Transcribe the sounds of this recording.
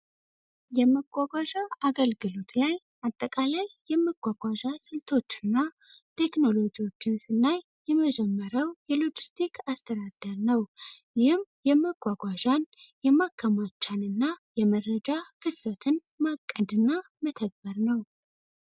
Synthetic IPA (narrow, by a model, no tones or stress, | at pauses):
jɛməɡʷaɡʷaʒaaɡəlɡɨlo̞t̪laj | at̪ʼːəkʼalajːɛmːəɡʷaɡʷaʒasɨlt̪ʰo̞t͡ʃːɨnːa | t̪ʰe̞kno̞lo̞d͡ʒiwo̞t͡ʃːɪnsɨnːaj | jɛməd͡ʒɛmːəɾəwjɛlud͡ʒist̪ʰikʰast̪ʰəd̪ad̪̥əɾnəwjɪhɨmjɛməɡʷaɡʷaʒanjɛmakʰːəmat͡ʃːanɨnːajɛmərəd͡ʒafɨsət̪ʰɨn | makʼːəd̪ɨnːamət̪ʰəɡ̚bəɾnəw